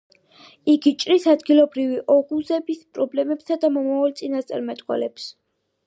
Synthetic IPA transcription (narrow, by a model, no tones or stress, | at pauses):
iɡit͡ʃʼɾisad̪ɡilˠɔbɾiviʔɔʁuzɛbispʼɾɔblɛmɛbsad̪amɔmavalt̪sʼinast̪sʼa̰ɾmɛt̪ʼqʼwɛ̰lɛps